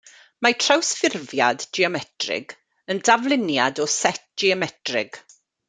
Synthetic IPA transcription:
matʰrawsfɪrvjaddiɔmɛtʰrɪ̰ɡ | əndavlˠɪnjadɔsɛt̚d͡ʒ̥iɔmɛtrɪɡ̥

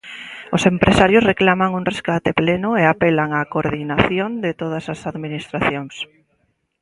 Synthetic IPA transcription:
osempɾʔesaɾjʊsreklamaŋuŋreskat̪eplenʊeapelaŋakoɾðinaθjond̪ɪt̪oð̞asasaðminist̪ɾaθjoŋs

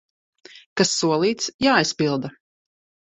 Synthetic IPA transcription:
kasːuɔlˠiːt̪sjaːijspilˠd̪a

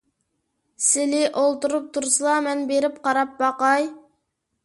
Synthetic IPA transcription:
sɪlɪʔolˠt̪uɾup̚t̪ʰuɾsɨlˠɑmɛnbeɾɪp̚qʰɑɾɑp̚bɑqɑj

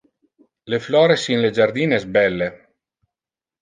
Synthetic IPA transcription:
leflɔːɾesinled͡ʒaɾd̪iːnezbɛlːe

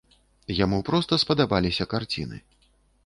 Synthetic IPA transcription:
jamupɾɔst̪ɐspɐd̪abalʲisʲɐkart͡sʲḭnɨ̰

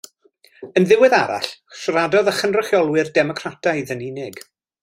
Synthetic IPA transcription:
ənðɪwɪðaɾa̰ɬʃradɔðaχənrəχjɔlˠwɪrdɛmɔkʰratʰajðəninɪɡ

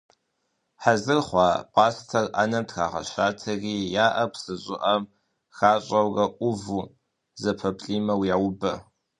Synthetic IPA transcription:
ħazɨrχʷɑːpʼɑːstʰɐrʔa̰nɐmtʰxa̰ːʁɐ̰ɕaːtʰɐriːjaːʔɐpʰsɨɕʼɪʔɐm | xaːɕʼɐwrɐʔʷʊvuː | zɐpʰɐpʰʼɬʼiːmɐwjawʊbɐ

